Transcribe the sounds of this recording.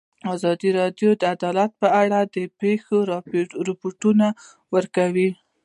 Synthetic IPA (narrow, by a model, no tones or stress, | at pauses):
ɑzɑd̪iɾɑɖjod̪əad̪ɑlat̪̚pəaɽad̪əpexoɾɑpɾɪpoʈuna | wəɾkawi